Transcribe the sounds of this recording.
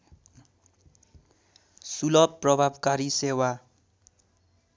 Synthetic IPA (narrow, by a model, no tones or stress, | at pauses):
sulʌbpːrʌbʱabkaɾisewa